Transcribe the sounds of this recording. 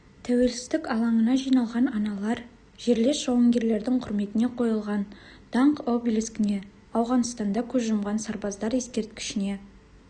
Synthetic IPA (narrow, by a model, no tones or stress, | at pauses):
t̪ʰæwe̞lsɪzd̪ɪkɑlˠɑɴənɑʒijnɑlˠʁɑnɑnɑlˠɑɾ | ʒ̥e̞ɾle̞sʒowəŋɡʲe̞ɾle̞ɾd̪ɪŋqʰʊɾme̞t̪ɪne̞qʰo̞jəlˠʁɑnd̪̥ɑɴqobʲilʲiskʲɪne̞ | ɑwʁɑnəst̪ɑnd̪ɑkʲʰɵzʒʊmʁɑnsɑɾbɑzd̪ɑɾje̞skʲe̞ɾt̪̚kʲɪ̥ʃɪne̞